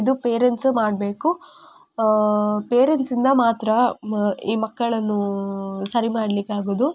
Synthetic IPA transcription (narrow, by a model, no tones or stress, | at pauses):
id̪upeːɾenʈsmaːɖbe̞ːku | peːɾenʈsind̪ɐmaːt̪ɾɐ | iːmɐkːɐɭɐnːusɐɾimaːɽlikːaːɡoːd̪u